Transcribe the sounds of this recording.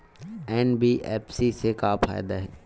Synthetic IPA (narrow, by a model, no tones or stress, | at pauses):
ɛːnbiʔɛːpʰsisekaːpfa̰ːjd̪aɦɛː